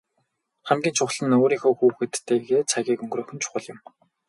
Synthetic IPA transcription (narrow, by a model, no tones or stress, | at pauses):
χæmɡʲiːnt͡ɕʰʊχɮə̆noːɾiːŋxoːxuːxɘ̆t̪ːeːɣeːt͡sʰaɣʲiːkɵŋɡrɵːxɵ̆nt͡ɕʰʊ̥χə̆ɮɪ̆m